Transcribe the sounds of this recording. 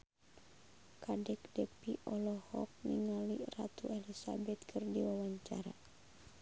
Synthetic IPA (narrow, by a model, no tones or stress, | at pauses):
kadɛk̚dɛpiʔɔlɔhɔ̰k̚niŋalira̰t̪uɛlisa̰bɛt̪̚kʰɨrdiwawaɲt͡ʃaɾa